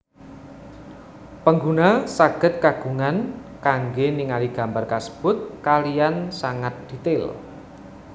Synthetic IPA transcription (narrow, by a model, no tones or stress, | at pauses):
pəŋɡunasaɡ̥ə̤t̪̚kaɡ̥ṳŋankaŋɡeniŋaliɡ̥a̤mbarkasə̥b̥ʊt̪̚kalijansaŋat̪̚d̪̥i̤t̪ɪl